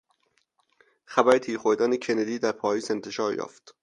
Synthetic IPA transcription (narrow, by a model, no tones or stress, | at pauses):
xæbæɾet̪ʰiːɾxoɾd̪æːnecʰened̪iːd̪æɾpʰɒːjiːze̞nt̪ʰe̞ʃɒːɾjɒ̰ːft̪